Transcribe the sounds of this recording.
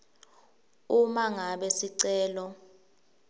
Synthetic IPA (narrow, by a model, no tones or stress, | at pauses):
umaŋaɓɛsiǀɛːlɔ